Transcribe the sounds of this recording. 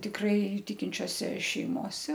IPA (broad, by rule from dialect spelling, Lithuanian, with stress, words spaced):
tʲɪkˈrɐɪ ˈtʲɪkʲɪnʲt͡ʃʲoːsʲɛ ʃʲɛɪˈmoːsʲɛ